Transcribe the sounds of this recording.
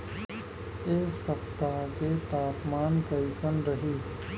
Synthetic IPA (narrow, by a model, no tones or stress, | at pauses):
eːsəpt̪aket̪aːpmaːnkɐɪsənɾɐɦiː